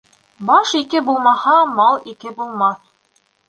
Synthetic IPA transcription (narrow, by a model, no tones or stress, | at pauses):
bɑʃikɘbulˠmɑhɑmɑlˠikɘbulˠmɑθ